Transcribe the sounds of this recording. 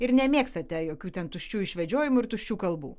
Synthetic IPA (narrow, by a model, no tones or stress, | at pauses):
ɪɾnʲɛmʲeːkst̪ɐt̪ʲɛjoːkʲuːt̪ʲɛnt̪ʊʃʲt͡ʃʲuːɪʃʲʋʲɛd͡ʒʲoːjɪmʊɪɾt̪ʊʃʲt͡ʃʲuːkɐlˠbṵː